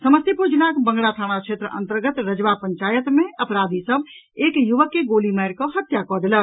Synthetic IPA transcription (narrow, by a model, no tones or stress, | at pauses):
səməst̪jipod͡ʒnakbə̃ŋɡɽat̪ʰaɽ̃akʃet̪ɾəʔə̰̃nt̪əɾɡət̪ɾəd͡ʒʋapəɲt͡ʃaːjət̪mẽʔəpɾad̪ʱisəb | ekjuʋəkːeɡoliməjɾkɔɦət̪jakɔd̪elə